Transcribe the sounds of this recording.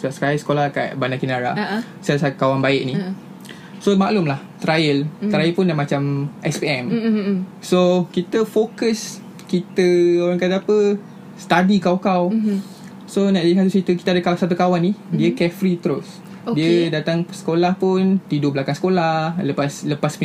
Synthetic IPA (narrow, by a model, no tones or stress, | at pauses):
səbapsə̥kaisə̥kolaka̰bandakinaɾa̰ | sasakawanbaɪʔnĩ | somaʔlumlaht̪ɾajəlt̪ɾailpʊnamãt͡ʃamʔɛspiɛm | sokit̪əfokəs | kit̪əoɾaŋkat̪aapə | st̪adikawkaw | sonaʔdihat̪usit̪ukit̪adəkasat̪̬ukawanidiəkɛfɾit̪əɾos | diədat̪aŋsə̥kolahpʊnt̪idublakansə̥kolaləpasləpasmi